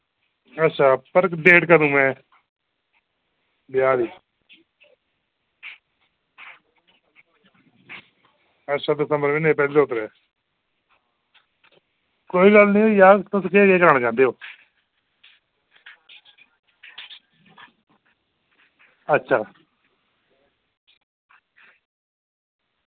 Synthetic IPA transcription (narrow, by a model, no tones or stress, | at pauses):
ətːʃʰaːpəɾɖeːʈkəd̪ũːmɛ̃ː | bɪjaːliː | ətːʃʰaːd̪əsəmbəɾʋɪnepɛːleːot̪əɾɛː | koːiːɡəlnĩːoːjaːt̪ʊskekeːkəɾəɳ̃d͡ʒãːnd̪eːoː | ətːʃʰaː